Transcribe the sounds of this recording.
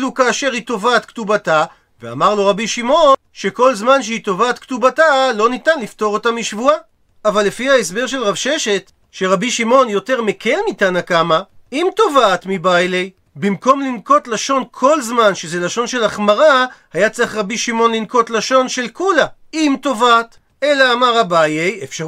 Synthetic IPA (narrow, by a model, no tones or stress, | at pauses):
lukaːʃe̞ʁhito̞vaːt̪ktubata | vea̰maʁlo̞ʁabiʃimo̞ | ʃe̞ko̞lzmanʃ̬eit̪o̞vaːt̪ktubatalo̞nitanlifto̞ʁo̞tamiʃvuaː | valːefihaes̬be̞ʁʃelʁavʃe̞ʃe̞t̪ | ʃe̞ʁabiʃimo̞njo̞te̞ʁmekʰe̞lnitanakamaimto̞vaːtmibajlej | bimko̞mlinko̞t̪laʃo̞nkʰo̞lzmanʃezelaʃo̞nʃe̞laχmaʁahajat͡seaχʁabiʃimo̞nlinko̞tlaʃo̞nʃe̞lkula | imto̞vaːt | e̞laːmaʁabajejefʃa